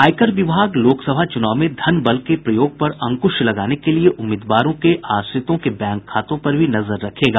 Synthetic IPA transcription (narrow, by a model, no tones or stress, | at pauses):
aːjkəɾʋɪbʱaːɡloːksɐbʱat͡ʃʊnaːʋmẽd̪ʱɐnbɐlkepɾɐjoːɡ̚pɐɾɐ̃ŋkʊʃlɐɡaːnekelieʔʊmːeːd̪ʋaːɾõkeʔaːst̪ɪt̪õkebɛ̃ːŋkʰːaːt̪õpɐɾbʱinɐzəɾːɐkʰeːɡaː